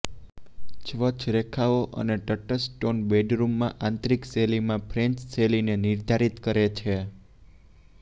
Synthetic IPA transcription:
t͡ʃʋət͡ʃʰɾekʰaoʔə̰neʈəʈəsʈonbeɖɾumːãʔãnt̪ɾikselimãpʰɾeɲt͡ʃselinenɪɾd̪ʱaɾit̪kəɾet͡ʃʰe

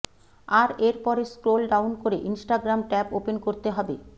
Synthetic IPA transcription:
aɾeɾpɔɾeskɾolɖawnkoɾeʔinsʈaɡɾamʈɛpopenkoɾt̪eɦɔbe

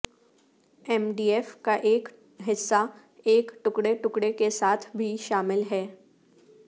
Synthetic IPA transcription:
ɛmɖiːɛfkaʔeːk | ɦɪsːa | eːkʈʊkɽeʈʊkɽekesaːt̪ʰbʱiʃaːmɪlɦɛː

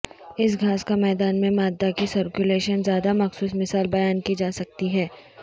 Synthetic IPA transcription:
ɪs̬ɡʱaːskamɛːd̪aːnmẽmaːd̪ːakisɐɾkjʊleːʃənzjaːd̪amɐxsuːsmɪsaːlbɐjaːnkid͡ʒaːsɐk̚t̪iɦɛː

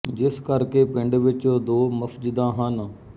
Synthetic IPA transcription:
d͡ʒɪskəɾkeːpɪ̃ɳɖʋɪt͡ʃod̪oːməfd͡ʒɪd̪ãɦanə

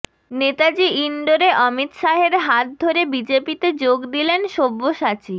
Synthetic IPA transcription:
net̪ad͡ʑiiɳɖoɾeʔɔmit̪ʃaɦeɾɦat̪̚d̪ʱoɾebid͡ʑepit̪ed͡ʑoɡd̪ilenʃobːoʃat͡ɕi

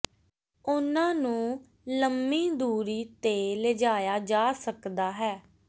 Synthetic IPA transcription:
ʊnãːnũː | ləmiːd̪uːɾiːt̪eːled͡ʒaːjaːd͡ʒaːsəkd̪aːɦɛː

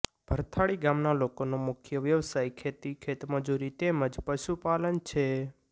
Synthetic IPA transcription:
b̥ʱəɾt̪ʰaɭiɡamnalokonomʊkʰjəʋjəʋsajkʰet̪ikʰet̪məd͡ʒuɾit̪eməd͡ʒpəʃupalənt͡ʃʰe

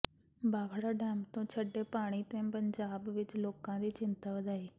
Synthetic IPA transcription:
baːkʰɽaːɖɛːmt̪õːt͡ʃʰəɖːeːpaːɽ̃iːt̪ẽːpəɲd͡ʒaːbʋɪt͡ʃloːkãːd̪iːt͡ʃɪnt̪aːʋəd̪aːiː

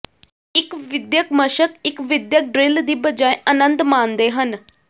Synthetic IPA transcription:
ɪkʋɪd̪jəkməʃəkɪkʋɪd̪jək̚ɖɾɪld̪iːbəd͡ʒaːeʔənə̃nd̪mãːnd̪eːɦən

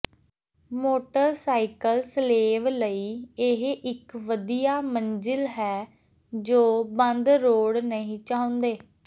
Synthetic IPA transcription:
moːʈəɾsaːikəlsleːʋləiːɪɦʔɪkʋəd̪ijaːmənd͡ʒɪlɦɛː | d͡ʒoːbə̃nd̪ɾoːɽnəɦĩːt͡ʃaːʊ̃nd̪eː

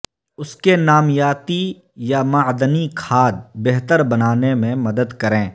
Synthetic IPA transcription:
ʊskenaːmjaːt̪i | jamaːd̪ənikʰaːd̪̚beɦt̪əɾbɐnaːnemẽmɐd̪əd̪kɐɾẽː

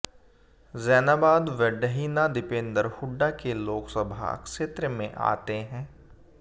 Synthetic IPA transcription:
zɛːnaːbaːd̪ʋɛɖəɦiːnad̪ɪpẽːnd̪əɾhʊɖːakeloːksəbʱa̰ɐ̰kʃeːt̪ɾəmẽʔa̰ːt̪eɦɛ̃ː

